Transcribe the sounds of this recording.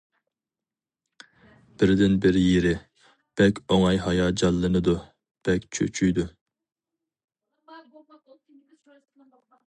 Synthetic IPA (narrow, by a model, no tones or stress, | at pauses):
b̥ɪɾd̪ɪnbɪɾjeɾɪ | b̥ɛkʲoŋɑjɦɑjɑd͡ʒɑlˠːɨnɨd̪u | b̥ɛkʲt͡ʃʰø̰t͡ʃʰyjd̪u